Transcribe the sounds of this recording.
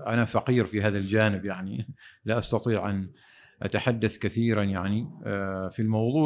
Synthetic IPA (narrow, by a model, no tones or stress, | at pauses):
ʔanafaqiːɾfiɦaːðald͡ʒaːnɪbjaʕnilaʔɑst̪ɑt̪ˤiːʕʔan | ʔa̰t̪aħad̪ːaθkaθiːɾanjaʕnifilmɑwðˤuː